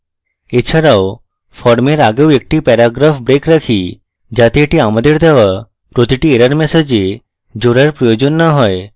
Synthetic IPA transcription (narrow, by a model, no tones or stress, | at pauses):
et͡ʃʰəɾaw | fʰɔɾmeɾaɡewek̚ʈipɛɾaɡɾafbɾekɾəkʰi | d͡ʒat̪eeʈiaməd̪eɽd̪ʱaʋa | pɾot̪iʈieɾəɾmɛsed͡ʒe | d͡ʒoɾaɾpɾɔjod͡ʒonːəɦɔj